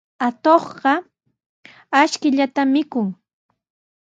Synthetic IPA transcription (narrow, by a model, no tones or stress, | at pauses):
at̪oχɢɑ | aʃkɪʎat̪amːɪkʊŋ